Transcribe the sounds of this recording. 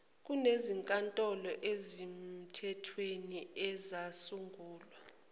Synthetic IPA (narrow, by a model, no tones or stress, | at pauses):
k̬ʼuneziŋkʼantʼɔlɔʔezim̩tʰɛtʰweniɛzasuŋɡʱuːlwa